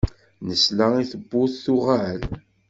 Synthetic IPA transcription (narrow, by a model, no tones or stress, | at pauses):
nəslaiθəbːʊθθʊʁaʕəl